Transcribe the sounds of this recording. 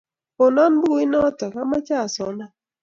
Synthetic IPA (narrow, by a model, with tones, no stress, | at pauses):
ɔ˨nɔ˦nbu˦ɪ˦nɔ˦tɔ˨ka˦ma˦t͡ʃa˦˨sɔ˨na˦